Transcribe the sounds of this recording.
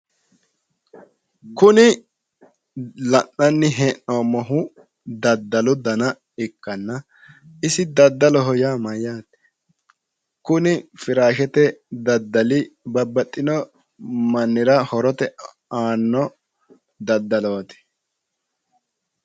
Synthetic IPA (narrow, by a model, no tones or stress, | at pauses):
kʊnɪ | lɐnːɐnːɪɦɛnːoːmɔɦʊ | d̪ɐd̪ːɐlɔd̪ɐnɐ | ɪkːɐnːɐ | ɪsɪd̪ɐd̪ːɐlɔɦɔjamɐjaːt̪ɛ̥ | kʊnɪfɪɾaːʃɛt̪ɛd̪ɐd̪ːɐlɪbɐbːɐt̪ʼːɪnɔ | mɐnːɪɾɐhɔɾɔt̪ɛ | aːnːɔ | d̪ɐd̪ːɐlɔɐt̪ɛ̥